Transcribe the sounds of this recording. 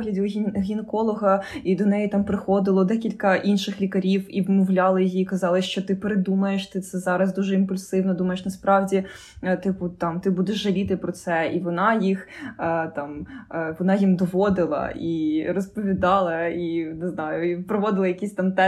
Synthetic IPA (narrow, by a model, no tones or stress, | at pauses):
ɦlʲɐdʲiinɦʲinɛkɔlˠɔɦɐid̪ɔnɛjit̪ɑmpɾɪxɔd̪ɪlˠɔd̪ɛkʲilʲkɐʔinʃɪxlʲikɐɾʲiwiʋmɔwlʲɑlˠɪjijiːkɐzɑlˠɪst͡ʃɔt̪ɪpeɾed̪umɐjeʃt̪ɪt̪sɛzɑɾɐzd̪uʒɛimpʊlʲsɪwnɔd̪umɐjeʃnɐspɾɑwdʲi | t̪ɪpuʊt̪ɑmt̪ɪbud̪ɛʒːɐlʲit̪ɪpɾɔt̪sɛiʋɔnɑjixt̪ɑmʋɔnɑjimd̪ɔʋɔd̪ɪlˠɐ̰ʔiɾɔspɔʋʲid̪ɑlˠɐinɪznɑjʊipɾɔʋɔd̪ɪlˠɐjɐkʲisʲt̪ɑmt̪ɛ